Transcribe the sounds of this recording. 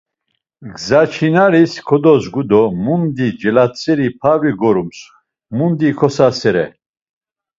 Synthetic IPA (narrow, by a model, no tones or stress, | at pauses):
ɡzat͡ʃʰinaɾiskʰɔd̪ɔzɡud̪ɔmund̪id͡ʒɛlat͡sʼɛɾipʰaviɡɔɾums | mund̪ikʰɔsasɛɾɛ̰